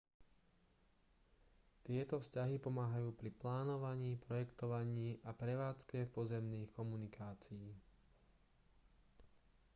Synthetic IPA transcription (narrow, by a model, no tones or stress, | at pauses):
t̪ɪɛt̪ɔfscaɦipɔmaːɦajuːpɾiplaːnɔʋaɲiːpɾɔjɛkt̪ɔʋaɲiːʔapɾɛʋaːt͡skɛpɔzɛmniːxkɔmunikʰaːt͡sijiː